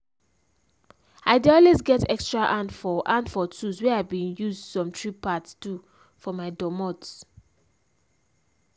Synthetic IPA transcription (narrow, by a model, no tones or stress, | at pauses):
aɪdeɔlwesɡɛtɛkstɹaʔãndfɔʔãndfɔtuswɛaɪbĩnjuzdsɔ̃mtʰɹipatstu | fɔmaɪdɔmɔts